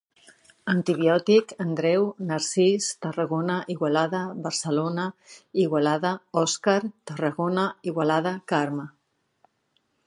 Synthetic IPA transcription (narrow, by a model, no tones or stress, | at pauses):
ənt̪iβjɔt̪ikənd̪ɾɛwnaɾsist̪ərəɣonəʔiɣwalaðəβəɾsəlonəiɣwalaðəɔskaɾt̪ərəɣonəiɣwalað̞əkaɾmə